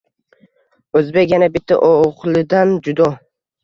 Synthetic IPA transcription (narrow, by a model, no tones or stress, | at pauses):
ɵzbe̞kʲjanabɪt̪ʰːa̰ʔoʁlɪd̪and͡ʒʊd̪ɒ